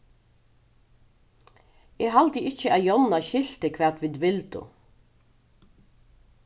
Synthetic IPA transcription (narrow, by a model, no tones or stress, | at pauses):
eːhɑld̪əʔɪçəʔɑjɔnɑçɪlt̪əkʰʋæːt̪ʋɪd̪ʋɪld̪ʊ̰